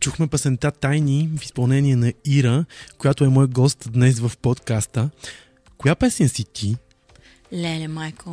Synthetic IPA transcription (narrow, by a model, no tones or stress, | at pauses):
t͡ʃuxmɛpɐsɛnt̪at̪ajnifi̥spɐlˠnɛniɛnɐiɾəkojat̪oɛmɔjəɡɔst̪d̪nɛsvəfpot̪kast̪ə | kojapɛsɛnʲsit̪ʰi | lɛlɛmajko